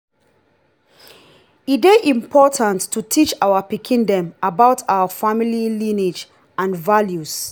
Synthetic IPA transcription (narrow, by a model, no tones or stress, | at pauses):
ideʔĩmpʰɔtʰãntʰːutʰit͡ʃaʊəpikʰĩndɛ̃mabaʊtʰaʊəfamililinid͡ʒ | ãnvaljus